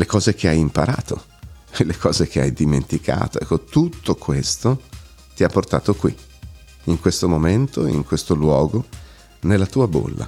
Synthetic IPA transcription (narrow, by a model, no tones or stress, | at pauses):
lekɔːzek̟eajimpaɾa̰ːt̪o̰ | lekʰɔːzek̟ʰea̰jd̪imḛnt̪ikʰa̰ːt̪oɛ̰kːot̪ut̪ːokwest̪o | t̪iapːort̪a̰ːt̪okwḭ | iŋkwest̪omoment̪oḭŋkwest̪olwɔːɡo | nelːat̪uːabo̰lːa̰